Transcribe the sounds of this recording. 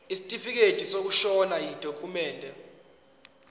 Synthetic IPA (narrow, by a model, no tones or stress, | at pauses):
isi̥tʼifik̬ed̥ʼʱisok̬uʃɔnajid̥ʱokʰumɛːndʱɛ